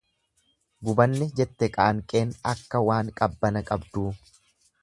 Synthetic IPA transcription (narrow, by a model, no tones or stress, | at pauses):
ɡʊbɐnːɛd͡ʒɛt̪ːɛkʼɐʔɐŋkʼe̞ːnɐkːɐwaːŋkʼɐbːɐnɐkʼɐbd̪uː